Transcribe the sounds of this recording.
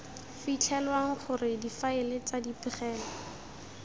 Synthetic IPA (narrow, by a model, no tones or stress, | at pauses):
fit͡ɬʰɛlwaŋ̩χʊrɪdifaɪlet͡sadipɪχɛːlɔ